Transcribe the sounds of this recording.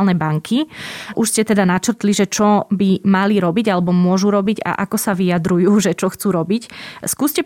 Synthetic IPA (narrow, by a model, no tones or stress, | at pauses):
lnɛbaŋkʰiʔuʃscɛt̪ɛd̪anat͡ʃrt̪liʒɛt͡ʃɔbimaliɾɔbiɟalɛbɔmʊɔʒuɾɔbiɟa̰ʔa̰kɔsaʋijad̪ɾujuːʒɛt͡ʃɔxt͡suːɾɔbicskuːscɛ